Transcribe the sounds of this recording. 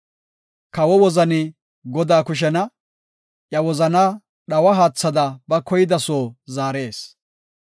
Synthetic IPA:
kɐwɔwɔzɐnɪ | ɡɔd̪aːkʊʃ̬ɛnɐ | ʔjɐwɔzɐnɐ | ɗɐwɐɦaːt͡sːɐd̪ɐbɐkɔjɪd̪ɐsoːzaːɾe̞ːs

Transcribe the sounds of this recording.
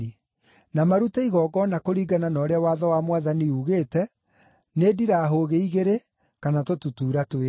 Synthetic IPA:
i | namaɾutaiɣɔːɡɔnakoɾiːɡananɔːɾeawaːðɔwamwaðaniuɣeːtɛ | neːdiɾaːɦoɣeiɣeɾe | kanatotutuːɾatwe

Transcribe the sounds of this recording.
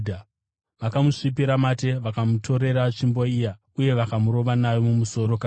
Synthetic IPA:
d | ʋakamuʂipiɾamate̞ʋakamuto̞ɾe̞ɾaʂimbo̞ija | uje̞ʋakamuɾo̞ʋanaʋomumuso̞ɾo̞ka

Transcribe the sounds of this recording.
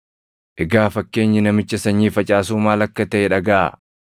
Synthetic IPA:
ʔɛɡaːfɐkːe̞ːɲːɪnɐmɪt͡ʃːɐsɐɲːiːfɐt͡ʃʼaːsuːmaːlɐkːɐt̪ɐʔeᶑɐɡɐʔa̰

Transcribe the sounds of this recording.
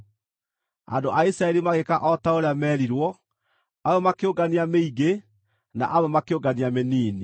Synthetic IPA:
a̰ndoʔaisɾaɛɾimaɣekaʔɔtaoɾeamɛːɾiɾwɔ | awɛmakeoɡaniameiɡe | na̰ʔawɛmakeoɡaniameniːni

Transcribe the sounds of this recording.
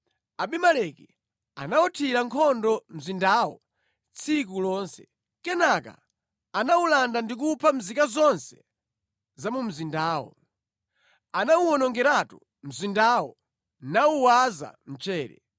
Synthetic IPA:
aɓimalɛki | a̰naɔtʰiɾaŋkʰɔndɔm̩zindawɔ | t͡sʰik̬ulɔːnsɛ̥ | kɛnaka̰ | anawulandandik̬upʰam̩zikazɔnsɛ̥ | zamum̩zindaːwɔ̰ | anawuɔnɔŋɡɛɾatu | m̩zindawɔ | nauwaza̰m̩t͡ʃɛːɾɛ̰

